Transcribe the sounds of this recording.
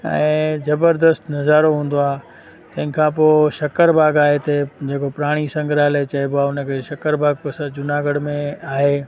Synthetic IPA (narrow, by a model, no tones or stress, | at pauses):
ɛ̰̃ːzɐbəɾd̪əst̪nɐzaːɾoɦũːn̆d̪oaː | t̪ɐ̃ɦɪ̃kʰãːpoːʃɐkəɾbʱaːɡaːɦet̪ʰed͡ʑeːkopʊɾaːɽ̃isɐ̃ŋɡʱɾaːlet͡ɕɐebʊaːʊnə̆kʰeʃɐkəɾbʱaːɡ̚pɐsəd͡ʑʊnaːɡəɽmẽaːɦeː